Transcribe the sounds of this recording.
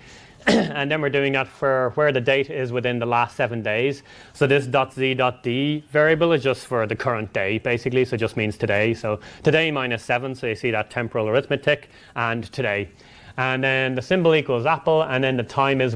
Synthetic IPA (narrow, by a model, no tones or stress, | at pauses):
ə̃nðə̃nwɪɹdʉɪ̃ŋðətfə˞wə˞ðədeɪɾɪzwɪðɪ̃nðəlastsɛvə̃ndeɪz̥ | soʊðɪs̬d̥ɔtz̥idɔt̚d̥ivɛɹiəbəlˠɪzd͡ʒʌstfə˞ðəkʰʌɹə̃nd̥eɪb̥eɪsɪklisoʊɨt̚d͡ʒ̥ʌstmĩnz̥tʰɨdeɪsoʊtʰɨdeɪmãɪ̃nɨsɛvə̃nsoʊjɨsiðətʰɛ̃mpə˞əl̩ˠə˞ɪθmətʰɪk | ə̃ntʰɨdeɪ | ə̃nðə̃nðəsɪ̃mbəl̩ˠikwəlˠzapəl̩ˠə̃nðə̃nðətʰãɪ̃mɪz